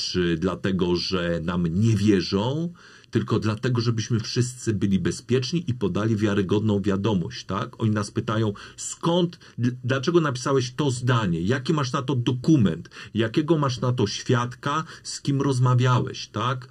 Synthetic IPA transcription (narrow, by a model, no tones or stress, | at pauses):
t͡ʂɘd̪lat̪ɛɡɔʐɛnamɲɛvʲjɛʐɔ̃w̃ | t̪ɘlkɔd̪lat̪ɛɡɔʐɛbɘɕmɘfʂɘst̪sɘbɘlʲibɛspʲjɛt͡ʂɲiʔipɔd̪alʲivʲjaɾɘɡɔd̪nɔ̃w̃vʲjad̪ɔmɔ̰ɕt͡ɕt̪akɔɲinaspɘt̪ajɔ̃w̃skɔnt̪ | d̪lat͡ʂɛɡɔnapʲi̥sawɛɕt̪ɔzd̪aɲɛjakʲimaʂ̬nat̪ɔd̪ɔkumɛnt̪jakʲɛɡɔmaʂnat̪ɔɕfʲjat̪kaskʲimɾɔzmavʲjawɛ̰ɕt̪ak